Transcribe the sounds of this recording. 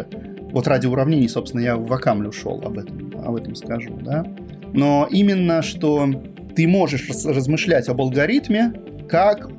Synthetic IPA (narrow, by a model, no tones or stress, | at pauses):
vo̞t̪radʲɪʊɾɐvnʲenʲɪjsopst̪ʲɪnəjavɐkamlʲʊʂo̰lˠɐ̰bɛt̪əmɐ̰bɛt̪əmskɐʐṵd̪a | no̞ʔimʲɪnːəʂt̪o | t̪ɨmo̞ʐɨʂrəzmɨʂlʲætʲɐbəlˠɡɐɾʲit̪mʲɪ | kak